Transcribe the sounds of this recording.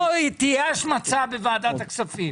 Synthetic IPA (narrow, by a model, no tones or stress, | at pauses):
oit̪iaʃmat͡sabevaːd̪at̪aksafim